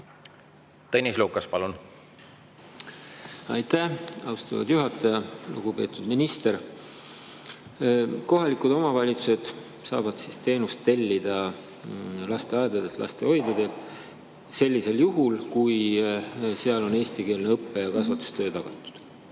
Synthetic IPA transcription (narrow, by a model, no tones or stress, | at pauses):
t̪enʲisluːkːˑɑspɑlun | ɑ̰jt̪æɑwst̪ɑ̰vɑ̰d̪̥juɦɑt̪ːˑɑjɑlṵɡ̥ube̞ːt̪ud̪minist̪e̞ɾ | ko̞ɦɑlikud̪o̞mɑvɑlʲit̪su̥se̞d̪̥ | sɑ̰ːvɑd̪̥sist̪e̞ːnust̪ːe̞lʲːid̪̥ɑ | lɑst̪e̞ɑed̪ɑd̪et̪lʔɑ̰st̪e̞ho̞jd̪̥ɑd̪eːlt̪ | se̞lʲːise̞ljuɦulkuj | seɑlo̞ne̞ːst̪ike̞ːlneɤpːe̞jɑkɑsvɑt̪u̥st̪øːt̪ɑɡ̥ɑt̪ːˑu̥d̪̥